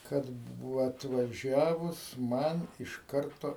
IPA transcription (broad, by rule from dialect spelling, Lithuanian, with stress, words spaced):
ˈkɐt ˈbʊʋoː ɐtʋɐˈʒʲæːʋʊs ˈmɐn ɪʃ ˈkɐrtoː